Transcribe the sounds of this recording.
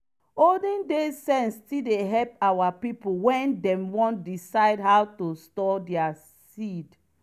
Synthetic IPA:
oldĩndesɛ̃nstideɦɛlpawapipuwɛ̃ndɛ̃mwɔ̃ntdisaɪdɦawtostɔdɛa | sid

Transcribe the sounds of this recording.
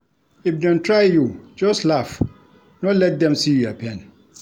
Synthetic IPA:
ifdɔ̃ntʰɹaɪjud͡ʒɔslaf | nɔ̃lɛt̚dɛ̃msijuapʰɛ̃n

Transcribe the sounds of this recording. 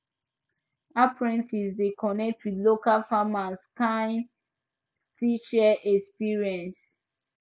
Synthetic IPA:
apɹɛ̃ntizdekɔnɛk̚twidlokalfamaskãn | fiʃɛʔɛkspiɹiɛ̃ns

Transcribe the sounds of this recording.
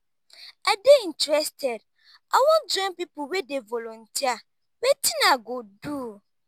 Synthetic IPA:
adeintɾɛstʰɛd | awɔ̃dɛ̃npipʊwedevɔlɔ̃ntʰia | wetʰɪnãɡoduː

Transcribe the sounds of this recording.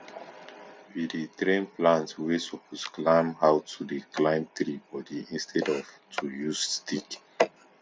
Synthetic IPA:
widitɹẽnplãntswesɔposklãɪ̃mhaʊtʰudikʰlãɪ̃ntɹibɔdiĩnstʰɛdɔvtʰujuzstik

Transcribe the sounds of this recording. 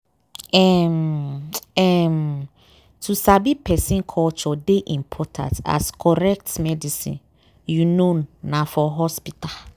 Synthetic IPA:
ɛm | ɛm | tʰusabipʰɛsĩnkʰɔlt͡ʃʰɔdeʔimpʰɔtʰã̰nta̰skʰɔɾɛk̚tmɛdisḭ̃n | junõnːãfɔɦɔspitʰal

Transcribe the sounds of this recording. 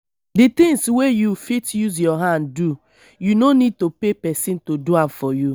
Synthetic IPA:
dit̪ĩŋswejufitjuzjɔɦãndu | junonid̚topepɛsĩntoduãmfɔju

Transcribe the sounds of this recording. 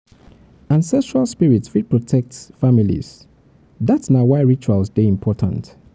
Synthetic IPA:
ãnsɛstɹalˠspiɹitsfid̚pɹɔtʰɛk̚tsfamilḭz̥ | ðatsnaʊwaɪɹit͡ʃualɔzdeĩmpʰɔtʰãnt

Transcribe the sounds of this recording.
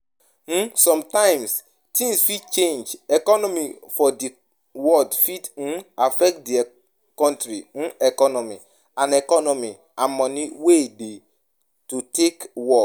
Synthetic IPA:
n̩sɔ̃mtãjms | tĩŋsfit͡ʃẽnd͡ʒekɔnɔmifɔdi | wɔdfit̩afɛk̚t̚di | kɔ̃ntɾin̩ɛkɔnɔmi | ãnekɔnɔmi | ãmɔ̃niwede | tutekwɔ

